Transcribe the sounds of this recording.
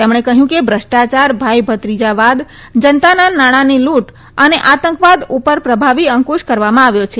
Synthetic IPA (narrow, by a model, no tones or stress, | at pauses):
t̪emɳ̃ekəɦjũkebʱɾəʃʈat͡ʃaɾbʱajbʱət̪ɾid͡ʒaʋad̪ | d͡ʒənt̪ananaɽ̃aniluʈ | əneʔat̪əŋkʋad̪upəɾpɾəbʱaʋiəŋkuʃkəɾʋamãaʋjot͡ʃʰe